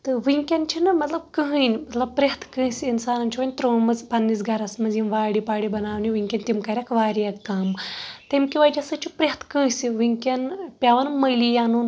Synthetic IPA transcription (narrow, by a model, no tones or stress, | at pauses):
t̪ɨʋiŋkʲɐnt͡ʃʰinɐmɐt̪lɐb̚kəɦənʲmɐt̪lɐb̚pɾʲiɦɐt̪ʰkəsiinsaːnɐnt͡ʃʰiʋɐnʲt̪ɾoːmɐzpɐnːisɡɐɾɐsmɐzinʋaːɽipaːɽibɐnaːʋniʋiŋkʲɐnʲt̪imkaɾʲɐkʰʋaːɾijɐkːaːmt̪emkiʋɐjd͡ʒɐsɐt͡ʃipɾʲɦɐt̪ʰkə̃siʋiŋkʲɐnpʲaʋɐnmɐjlijaːnun